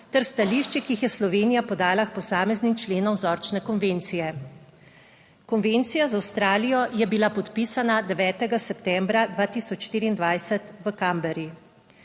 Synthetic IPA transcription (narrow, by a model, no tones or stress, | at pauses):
t̪ɛɾst̪aliʃt͡ʃikiixjɛslɔʋeːnijapɔd̪aːlaxpɔsaːmɛznimt͡ʃleːnɔmzɔɾt͡ʃnɛkɔnʋeːnt̪sijɛ | kɔnʋent̪sijazawst̪ɾaːlijɔjɛbilapɔt̪piːsanad̪ɛʋɛːt̪ɛɡasɛpt̪ɛmbɾad̪ʋaːt̪iːsɔt͡ʃʃt̪iːɾiːnd̪ʋajsɛt̪ʋəkambɛɾji